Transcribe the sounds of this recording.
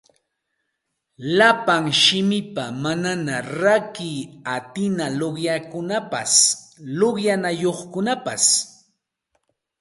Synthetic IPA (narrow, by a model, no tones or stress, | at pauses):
lapaŋʃɪmɪpamananaɾakɪat̪ɪnaloɢjakʊnapa̰s | loχjanajoχkʊnapas